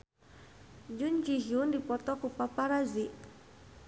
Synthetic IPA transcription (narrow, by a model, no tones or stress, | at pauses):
d͡ʒund͡ʒiɦiundipɔt̪ɔkupapaɾaziʔ